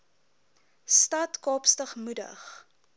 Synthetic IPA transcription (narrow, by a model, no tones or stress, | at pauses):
stɐtkɑːpstəχmudə̰χ